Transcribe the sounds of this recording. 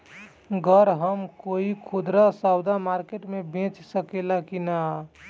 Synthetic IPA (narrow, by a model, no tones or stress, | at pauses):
ɡʱəɾɦəmkoikʰud̪ɾasawd̪amaɾkeʈmebʱẽt͡ʃsəkelakina